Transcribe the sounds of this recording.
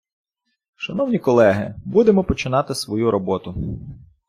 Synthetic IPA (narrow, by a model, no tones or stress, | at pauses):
ʃɐnɔwnʲikɔlˠɛɦɪ̰bud̪emɔpɔt͡ʃɪnɑt̪ɪsʋɔjuɾɔbɔt̪ʊ